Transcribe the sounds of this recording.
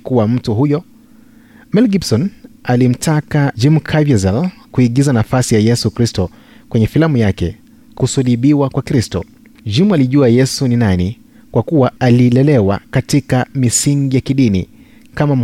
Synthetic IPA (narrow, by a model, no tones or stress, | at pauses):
kuwam̩tuɦujɔ | mɛlɡibsɔnalim̩tʰakad͡ʒimukʰaviɛzalkuiɠizanafasijajɛsukɾistɔ | kwɛɲɛfilamujakɛ | kusuliɓiwakwakɾistɔ | d͡ʒimualiʄuajɛsuninani | kwakuwaaliːlɛlɛwakatikamisiŋɡijakiɗinḭ | kamam